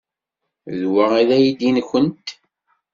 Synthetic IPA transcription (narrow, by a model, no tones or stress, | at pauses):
ðwəʁiðæjid̪inçənt̪